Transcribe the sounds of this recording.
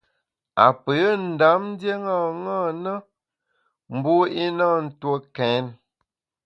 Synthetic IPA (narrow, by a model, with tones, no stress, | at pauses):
a̰˨pə˨˦n̩˨da˨˦mn̩˦dje˦ŋa˦˨ŋa˦˨nə˦ | m̩˨bu˦i˦na˦˨n̩˦two˦kɛ˨˦n